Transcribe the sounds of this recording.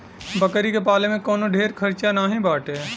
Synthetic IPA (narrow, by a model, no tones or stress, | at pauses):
bəkəɾikepaːlemẽkɔːnoɖʱeːɾkʰəɾt͡ʃanaːɦĩbaːʈeː